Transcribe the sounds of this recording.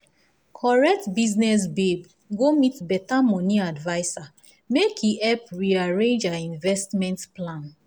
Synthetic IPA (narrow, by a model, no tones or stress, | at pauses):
kʰɔɹɛk̚tbiznɛs̬beb | ɡomitbɛtamɔniadvaɪsa | mekʰiɛpɹiaɹẽnd͡ʒaĩnvɛstmɛ̃ntplãn